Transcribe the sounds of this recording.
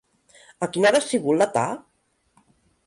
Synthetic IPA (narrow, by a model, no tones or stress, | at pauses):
akinaðasiɣulːat̪a̰